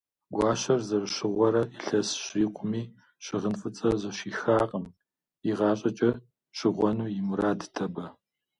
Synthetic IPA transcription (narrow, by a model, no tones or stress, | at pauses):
ɡʷɑːɕɐrzɐrɨʃɪʁʷɔɾɐiɬɐsɕiːqʷʰʼʊmiː | ɕɪʁənfɨt͡sʼɐzɐʃiːxaːqʼəm | iʁɑːɕʼɐt͡ʃʼɐ | ɕɪʁʷɔnuːjɪmuɾaːdtʰɐbɐ